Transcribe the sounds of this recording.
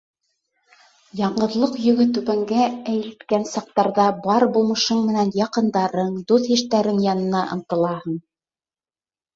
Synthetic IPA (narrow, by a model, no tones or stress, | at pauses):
jɑɴɢɤ̆ðlˠɤqjɵ̆ɡɘt̪ʉβæŋɡææjɘ̆lt̪kænsɑq̚t̪ɑɾðɑbɑɾbulˠmɤ̆ʃɤɴmɘ̆nænjɑqɤ̆nd̪ɑɾɤɴd̪uθhiʃt̪æɾɘŋjɑnɤ̆nɑʔɤ̰̆nt̪ɤ̆lˠɑhɤɴ